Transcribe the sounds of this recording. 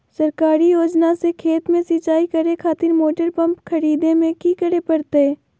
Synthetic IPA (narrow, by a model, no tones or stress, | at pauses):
sɐɾkaːɾijoːd͡ʒnasekʰeːt̪mẽsit͡ʃaːikɐɾekʰaːt̪ɪɾmoːʈəɾpɐ̃mpkʰɐɾiːd̪ẽmẽkikəɾepɐɾt̪eɛː